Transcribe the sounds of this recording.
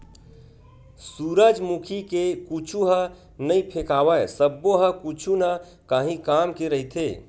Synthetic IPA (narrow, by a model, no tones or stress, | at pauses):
suɾəd͡ʒmukʰikekut͡ʃʰuɦə̃ | nəĩpʰekawəesəbːoɦəkut͡ʃʰuna | kaɦĩkamkeɾəɦit̪ʰe